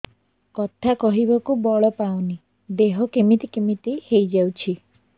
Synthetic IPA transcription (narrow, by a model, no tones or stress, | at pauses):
kɔt̪ʰakɔɦibɔkubɔɭɔpawni | d̪eɦɔkemit̪ikemit̪ihejd͡ʒawt͡ʃʰi